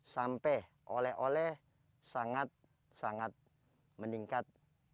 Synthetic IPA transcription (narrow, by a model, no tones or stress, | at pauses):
sampɛh | ʔolɛhʔolɛh | saŋat̪̚ | saŋat̪̚ | məniŋkat̪̚